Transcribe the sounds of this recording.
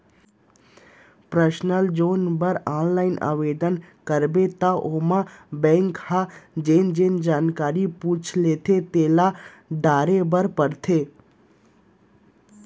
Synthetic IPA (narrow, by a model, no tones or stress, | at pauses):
pɾəsnəld͡ʒoːnbəɾaːnlaːɪna̰ːʋeːɖ̪ənkəɾbet̪aʔoːmabɛ̃ːŋkhad͡ʒeːnd͡ʒeːnd͡ʒaːnkaːɾipuːt͡ʃʰleːt̪ʰet̪eːla | ɖaːɾebəɾpəɾt̪ʰeː